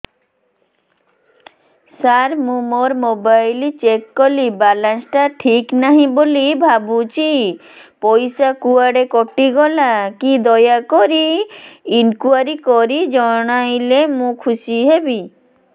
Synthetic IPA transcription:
saɾmũmoɾmobajlit͡ɕekːolibalansʈaʈʰiknaɦĩbolibʱabut͡ɕi | pojsakuaɖekoʈːiɡɔlakid̪ɔjakoɾi | inkuaɾikoɾid͡ʑɔnajlemũkʰuʃiɦebi

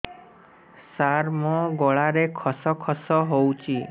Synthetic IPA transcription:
saɾmɔɡɔɭaɾekʰɔsɔkʰɔsɔɦowt͡ʃʰi

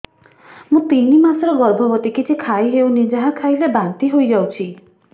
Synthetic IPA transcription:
mũt̪inimasɔɾɔɡɔɾbʱɔbɔt̪ikit͡ʃʰikʰajɦewnid͡ʒaɦakʰajlebant̪iɦojd͡ʒawt͡ʃʰi

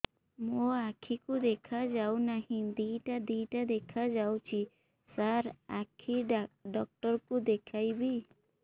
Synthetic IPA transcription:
moakʰikud̪ɛkʰad͡ʒawnaɦĩd̪ijʈad̪iʈad̪ɛkʰad͡ʒawt͡ʃi | saɾakʰiɖɔk̚ʈɔɾkud̪ɛkʰajbi

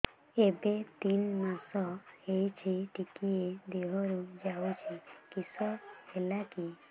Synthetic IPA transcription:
ebet̪inmasɔhejt͡ʃʰiʈikied̪eɦɔɾud͡ʒaut͡ʃʰikisɔhelaki

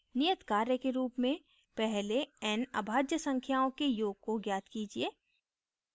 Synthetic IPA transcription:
nɪjət̪kaːɾjəkeɾuːpmẽ | pɛɦleɛːnɐ̰bʱaːd͡ʒjəsɐ̃ŋkʰjaːõkejoːɡ̚koɡjaːt̪kiːd͡ʒieː

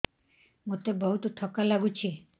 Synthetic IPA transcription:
mut̪ebɔɦut̪oʈʰɔkːalaɡut͡ɕʰi

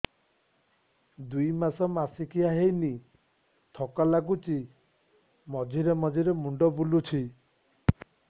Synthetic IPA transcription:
d̪ujmasɔmasikʰiaɦejni | t̪ʰɔkalaɡut͡ʃi | mɔd͡ʒʱiɾemɔd͡ʒiɾemuɳɖɔbulut͡ʃʰi

